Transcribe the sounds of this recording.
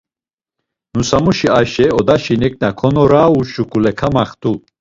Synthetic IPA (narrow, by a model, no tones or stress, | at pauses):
nusamuʃiaʃɛɔd̪aʃinɛk̚ʼnakʰɔnɔɾaːuʃukʼulɛkʰamaχt̪ʰʼu